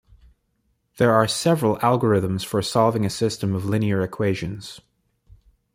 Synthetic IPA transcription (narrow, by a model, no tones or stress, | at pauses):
ðə˞ːsɛvɹəlˠælˠɡə˞ɪðə̃mz̥fə˞sɑlˠvɪ̃ŋɨsɪstə̃mʌvlɪ̃niə˞ɨkʰw̥eɪʒɨ̃nz̥